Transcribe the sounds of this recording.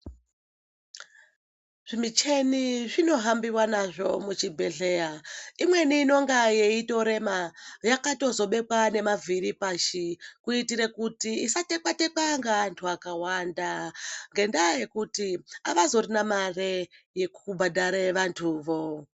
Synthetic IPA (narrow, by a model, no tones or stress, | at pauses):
ʐ̥imit͡ʃe̞niʐino̞ɦambiwanaʐo̞̰mut͡ʃibʱeɮe̞jaimwe̞niːno̞ŋɡajeito̞ɾe̞majakato̞zo̞ɓe̞kwane̞mavʱiɾipaʃikuitiɾekutiːsate̞kwate̞kwaŋɡaːntʰuakawandaŋɡe̞ndaje̞kutiaʋazo̞ɾinamareje̞kubʱadaɾeʋantʰuʋo̞